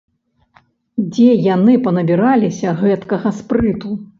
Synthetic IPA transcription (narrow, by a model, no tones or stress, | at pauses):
d͡zʲɛjanɨpɐnɐbʲiɾalʲisʲɐɣɛt̪kɐɣɐspɾɨt̪u